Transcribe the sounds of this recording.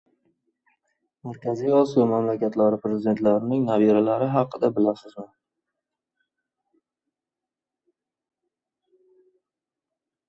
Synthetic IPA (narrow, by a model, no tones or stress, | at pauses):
maɾkʲʰazijɒsijɒmamlakʲat̪laɾɪpɾezɪd̪e̞nt̪laɾɪnɪŋnaviɾalaɾɪɦɑqːɨd̪abɪlasɪzmɪn